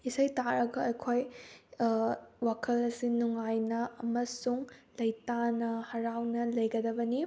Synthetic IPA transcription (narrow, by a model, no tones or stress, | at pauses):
isɐjtaɾɐɡɐɐjkʰoj | wakʰɐlɐsinuŋajnɐɐmɐsuŋlɐjtanɐhɐɾawnɐlɐjɡɐd̪ɐbɐni